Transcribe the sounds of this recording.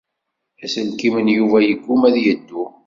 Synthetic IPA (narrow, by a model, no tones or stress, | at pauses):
æsəlkimənjuvæjəɡːumæðjəd̪ːu